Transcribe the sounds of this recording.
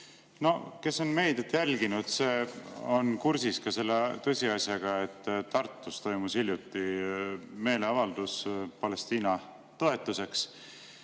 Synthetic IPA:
no̞ke̞so̞nme̞jd̪et̪jælɡinud̪̥se̞ːo̞nkuɾsiskɑse̞lːet̪ɤ̞sʲiɑsjɑɡ̥ɑe̞t̪ːtːɑrt̪ːˑust̪o̞jmusilʲjut̪ˑːi | me̞ːle̞ɑvɑld̪̥uspɑle̞st̪iːnɑ | t̪o̞e̞t̪ːˑuse̞ks

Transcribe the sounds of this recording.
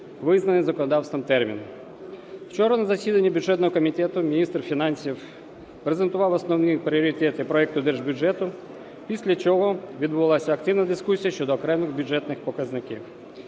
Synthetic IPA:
ʋɪznɐnɪjzɐkɔnɔd̪ɑwst̪ʋɪmt̪ɛrmʲḭn | w̥t͡ʃɔɾɐnɐzɐsʲid̪ɐnʲːibʲʊʐɛt̪nɔɦɔkɔmʲit̪ʲɛt̪ʊmʲinʲist̪rfʲinɑnʲsʲiw | pɾezent̪ʊʋɑwɔsnɔwnipɾʲiɔɾʲit̪ɛt̪ɪpɾɔɛk̚t̪ʊd̪ɛrʐbʲʊʐɛt̪ʊ | pʲisʲlʲɐt͡ʃɔɦɔʋʲid̪bʊʋɐlˠɑsʲɐɐkt̪ɪʋnɐd̪ɪskusʲijɐʃt͡ʃɔd̪ɔːkɾɛmɪɣbʲjʊʐɛt̪nɪxpɔkɐznɪkʲḭw

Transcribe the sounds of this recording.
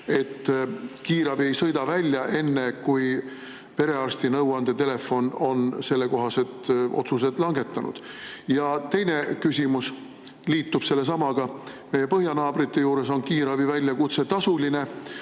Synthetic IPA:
e̞t̪ːkiːɾɑbie̞jsɤjd̪ɑvælʲjɑʔe̞nːe̞kuj | pe̞ɾe̞ɑrst̪inɤwɑnd̪̥e̞t̪e̞le̞fo̞no̞nse̞lːeko̞ɦɑse̞d̪̥ʔo̞̰t̪sused̪lɑŋɡe̞t̪ːˑɑnʔṵd̪̥jɑt̪e̞jnekysʲimus | liːt̪ːˑub̥se̞lːe̞s̬ɑmɑɡ̥ɑ | me̞je̞pɤɦjɑnɑːb̥rit̪ːe̞juːɾe̞so̞nkiːɾɑb̥ivælʲjɑkut̪se̞t̪ɑsuline̞

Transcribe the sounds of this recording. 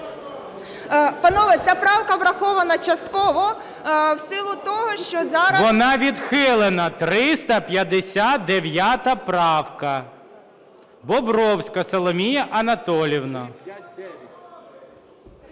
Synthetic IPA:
pɐnɔʋɐt͡sʲapɾɑwkɐʋɾɐxɔʋɐnɐt͡ʃɐst̪kɔʋɔ | wsɪlˠʊt̪ɔɦɔʃt͡ʃɔzɑɾɐʋɔnɑʋʲid̪xɪlˠenɐt̪ɾɪst̪ɐpʲjɐd̪esʲat̪̚d̪eʋʲjat̪ɐpɾɑwkɐ | bɔbɾɔwsʲkɐsɐlˠɔmʲijɐʔɐnɐt̪ɔlʲiwnɐ

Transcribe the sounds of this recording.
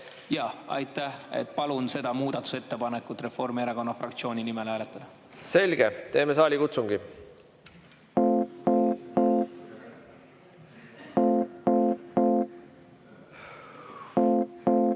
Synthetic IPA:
jɑɑ̰jt̪ːˑæhḛt̪ːˑpɑlunse̞d̪̥ɑmuːd̪̥ɑt̪ːˑu̥se̞t̪ːepɑnekːˑut̪ːre̞fo̞rmieɾɑko̞nːɑfrɑkt̪sio̞ːnʲinime̞læːlet̪ːˑɑd̪̥ɑ | se̞lʲɡ̥et̪e̞ːmesɑːlʲikut̪suŋɡ̥i

